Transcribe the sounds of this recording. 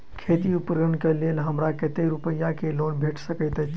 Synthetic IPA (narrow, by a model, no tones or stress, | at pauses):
kʰet̪iupɾɡənkelelɦəmɾakət̪eɾupəjːakelonbʱeʈʰsəkəɪt̪ət͡ʃ